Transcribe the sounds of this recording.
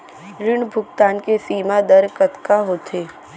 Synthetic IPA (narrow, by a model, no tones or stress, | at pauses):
ɾɪɽ̃bʱʊɡt̪aːnkesiːmad̪ɐɾkɐt̪kaɦoːt̪ʰeː